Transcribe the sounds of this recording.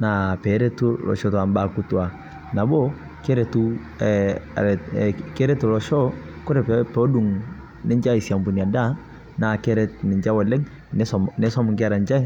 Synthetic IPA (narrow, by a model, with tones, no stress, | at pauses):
na˨pɛ˨˦ɾe˦tu˦lɔ̰˨ʃɔ˦twa˨mba˨kʊ˦twa˨ | na˨bɔ˦ | ke˦ɾe˨tu˦ | ɛ˨ɾɛ˨ke˦ɾe˦tu˨lɔ˨ʃɔ˦kʊ˦ɾɛ˨ppɔ˦du˨ŋ | nɪ˦ɲd͡ʒa˦ɪ˨sja˨mbu˨ni˨a˨da˦ | na˨kɛ˦ɾɛ˦t̚nɪ˨ɲd͡ʒa˦wɔ˨lɛ˦ŋ | n˦smne˦sɔ˦mʊ˨ŋkɪ˦a˦ɾa˨nd͡ʒa˦j